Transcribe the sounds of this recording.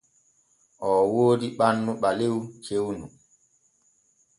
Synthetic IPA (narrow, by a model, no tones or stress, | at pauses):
ʔɔwoːdiɓanːuɓalewt͡ʃewnu